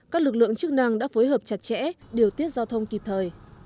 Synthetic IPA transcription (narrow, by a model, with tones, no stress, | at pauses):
kaː˦˥k̚lɨ˨˩k̚lɨ̰˧˨əŋt͡ɕɨ˦˥k̚na˧ŋɗa̰ː˧˥fo˨˦jɦəː˨˩p̚t͡ɕa˨˩t̚t͡ɕɛ̰˧˥ɗi˨˩əwt̪i˦˥ət̚zaː˧wt̪ʰə˧wŋ͡mki˨˩p̚t̪ʰəː˨˩j